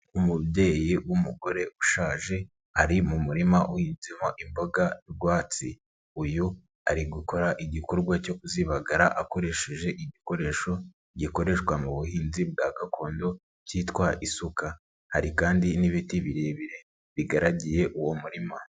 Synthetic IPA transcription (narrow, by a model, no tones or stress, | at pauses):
umubje̞ːjiwumuɡo̞ɾe̞ʔuʃaːʒe̞ | haɾimumuɾimaʔuhinzimoʔimbo̞ɡaɾɡwaːt͡si | uju | aɾiɡuko̞ɾaʔiɟiko̞ɾɡwaco̞kuziβaɡaɾaʔako̞ɾe̞ʃe̞ʒe̞ʔiɟiko̞ɾe̞ʃo̞ | ɟiko̞ɾe̞ʃkwamuβuhiːnzib̚ɡaɡakʰo̞ːndo̞ | ciːtkwaʔisuka | haɾikaːndiniβitiβiɾe̞βiɾe̞ | βiɡaɾaɟije̞ʔuwo̞muɾima